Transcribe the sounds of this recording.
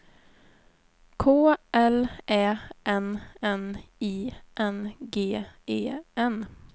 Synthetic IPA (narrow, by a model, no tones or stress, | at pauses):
kʰoːʔɛlʔɛːʔɛnɛniːʔɛnɡeːeːɛn